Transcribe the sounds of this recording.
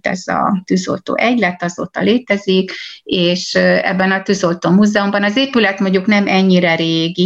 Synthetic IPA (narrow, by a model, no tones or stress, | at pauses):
t̪ɛ̰zɒ̰t̪yzo̰lt̪o̰ːʔɛɟlɛt̪ɒzo̰ːt̪ɒ̰leːt̪ɛzikeːʃɛ̰bːɛnɒt̪yzo̞lt̪oːmuːzɛumbɒnɒzeːpylɛt̪mo̞ɲɟuknɛmʔɛɲːiɾɛɾeːɡi